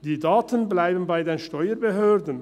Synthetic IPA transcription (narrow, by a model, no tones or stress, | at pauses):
d̥iːdaːtənblaɪbən̩baɪdeːnʃtɔʏəbeɦøːɾdən̩